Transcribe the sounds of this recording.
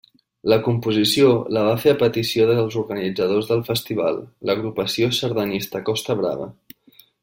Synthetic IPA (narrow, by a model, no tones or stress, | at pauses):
ləkumpuzisioləβ̞afeəpət̪isioðəlˠzuɾɣənid͡zəðozðəlˠfəst̪iβ̞a̰lˠləɣ̞ɾupəsiosəɾðənist̪əkɔst̪əβ̞ɾa̰βə̰